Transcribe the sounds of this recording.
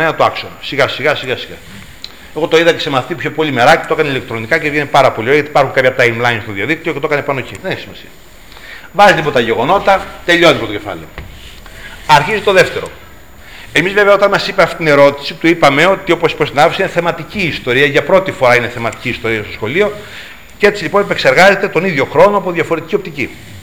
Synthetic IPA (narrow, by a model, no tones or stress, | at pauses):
enɐt̪oɐksonosiɣɐsiɣɐsiɣɐsiɣɐ̰ | eɣo̞t̪oiðɐce̥semɐfit̪iupçopo̞lime̞ɾɐcet̪oekɐneile̞k̚t̪ɾonikɐcevʝenepɐɾɐpo̞lioɾeʝjɐt̪ipɐɾxuŋkɐpçɐt̪ɐjmlɐinst̪oðiɐðik̚t̪io̞ceoekɐnepɐnocḭðeneçisimɐsiɐ | vɐzilipot̪ɐʝe̞ɣo̞no̞t̪ɐt̪e̞ʎo̞niipot̪oce̞fɐ̰leo | ɐɾçizit̪oðe̞ft̪e̞ɾo̞̰ | e̞mizveveɐot̪ɐnmɐsipeɐft̪i̥t̪ine̞ɾo̞t̪i̥sit̪uipɐme̞o̞t̪io̞posi̥post̪inɐfosineθe̞mɐt̪iciːst̪o̞ɾiɐʝɐpɾo̞t̪ifo̞ɾɐineθe̞mɐt̪i̥ciːst̪o̞ɾiɐst̪o̞sxo̞lio̞ | cee̞t͡silipo̞nepe̞kse̞ɾɣɐze̞t̪e̞t̪o̞niðʝo̞xɾo̞noɐpoðjʝɐfo̞ɾe̞t̪i̥ciopt̪ici